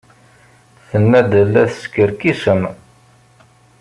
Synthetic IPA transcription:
θənːæd̪əlːæθə̥skəɾkisəm

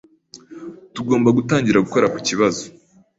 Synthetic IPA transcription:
tuɡo̞ːmbaɡutaːɲɟiɾaɡuko̞ɾaku̥ciβazo

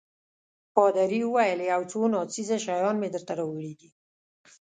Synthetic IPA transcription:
pɑd̪aɾiwəwajəleawt͡sonɑt͡sizaʃajɑnmed̪əɾt̪aɾawəɽid̪i

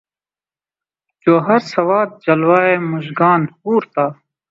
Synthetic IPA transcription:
d͡ʑoːɦɐɾsɐwaːd̪̚d͡ʑɐlwaːeːmuʑɡaːnhuːɾt̪aː

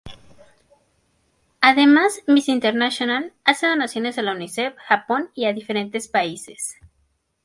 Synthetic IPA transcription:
aðe̞mazmisint̪eɾnasjonalaseðonasjo̞ne̞salunisefxapo̞niaðife̞ɾe̞nt̪espaise̞̥s

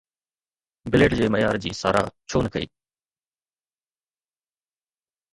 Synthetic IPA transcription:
bɪleːɖd͡ʑeːməjaːɾd͡ʑḭːsa̰ːɾa̰ːt͡ɕʰoːnkʰəḭː

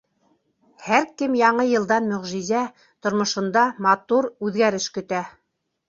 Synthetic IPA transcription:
hæɾkɘmjɑɴɤjɤ̆lˠd̪ɑnmɵ̆ʁʒizæ | t̪ŏɾmŏʃŏnd̪ɑmɑt̪uɾʉðɡæɾɘʃkɵ̆t̪æ

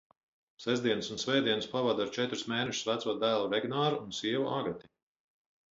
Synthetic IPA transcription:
sɛzd̪iɛnəsunsvɛːd̪iɛnɨspavad̪aɾt͡ʃɛt̪ɾusmeːnɛʃʊ̥svæt̪suɔt̪̚d̪æːlˠuvɛɡnaːɾuunsiɛvuʔaɡɾat̪ʲi̥

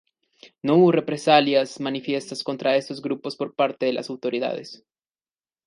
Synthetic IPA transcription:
no̞uβore̞pɾe̞saljasmanifje̞st̪asko̞nt̪ɾae̞st̪o̞zɡɾupo̞spo̞ɾpaɾt̪eðelʔa̰sawt̪o̞ɾiða̰ðḛs

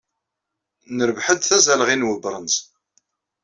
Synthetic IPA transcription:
nəɾəvħəd̪θæzæləʁinwəbɾˤənz

